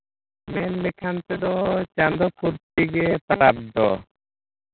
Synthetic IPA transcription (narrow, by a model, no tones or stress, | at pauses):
mɛnlekʰant̪ed̪ɔɦɔt͡ɕand̪ɔpuɾt̪iɡep̪aɾab̚d̪ɔ̰